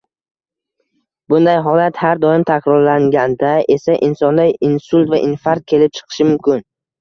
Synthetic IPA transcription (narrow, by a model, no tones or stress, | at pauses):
bʊnd̪ajɦɒlat̪haɾd̪ɒɪmt̪ʰakʰʲɾɒɾlaŋɡʲand̪aʔe̞saʔɪnsɒnd̪ajɪnsʊlˠt̪vaʔɪnfaɾt̪̚kʲʰe̞lɪp̚t͡ʃʰɨ̥qʰɨ̥ʃɪmʊmkʲʰɪn